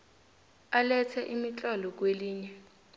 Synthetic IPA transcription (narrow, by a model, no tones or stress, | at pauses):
alɛt͡sʰɛʔimit͡ɬʼɔlɔk̬weliːɲɛ